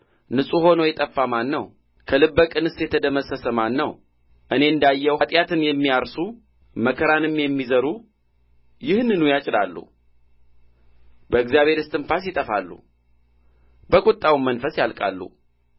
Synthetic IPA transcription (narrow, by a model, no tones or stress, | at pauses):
nɨsʼuho̞nojɛt̪ʼəfːamanːəw | kʰəlɨbːəkʼɨnɨsjɛt̪ʰəd̪əməsəsəmanːəw | ʔɨne̞ɨnd̪ajːɛwat̪ʼjat̪ʰɨnjɛmːijaɾsu | məkʰəɾanɨmjɛmːizəɾu | jɪhnɨnujat͡ʃʼɪlalːṵ | bəɨɡzijaβhe̞ɾɨst̪ʰʼɨnfas̬jɪt̪ʼəfa̰lːṵ | bəkʼut̪ʼːawmənfəsjalkʼa̰lːṵ